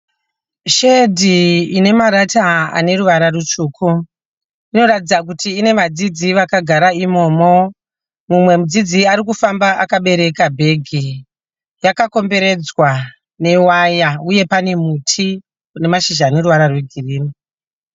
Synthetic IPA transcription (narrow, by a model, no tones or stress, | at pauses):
ʃedʱiine̞maɾataa̰ne̞ɾuʋaɾarut͡ʃuːkʰu | ino̞ratid͡zak̬utiːne̞ʋad͡zid͡ziʋakaɡʱaɾaimo̞ːmo | mumwe̞mud͡zid͡ziaɾikufambaʔakaɓe̞ɾe̞kabʱe̞ɡʱi | jakako̞mbe̞ɾe̞d͡zwa | ne̞wajauje̞pane̞mutʰi | une̞maʃiʒaːne̞ruʋaɾarweɡʱiriːmi